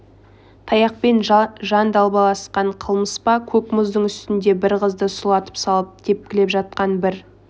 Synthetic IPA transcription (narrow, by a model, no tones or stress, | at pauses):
t̪ʰɑjɑq̚pe̞nʒɑnd̪ɑlˠbɑlˠɑsqɑɴqʰəlˠməspɑkʲʰɵkmʊzd̪əɴʏst̪ɪnd̪e̞bɪɾqəzd̪əsʊlˠɑt̪ə̥psɑlˠəp̚d̪̥ʰe̞p̚kʲɪle̞pʒɑt̪̚qɑnbɪɾ